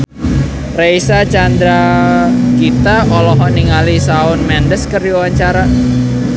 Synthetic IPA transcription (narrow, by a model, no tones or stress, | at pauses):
rejsat͡ʃand̪ɾa | kit̪aɔlɔɦɔniŋalisaʊnmɛndəskərdiawaɲt͡ʃaɾa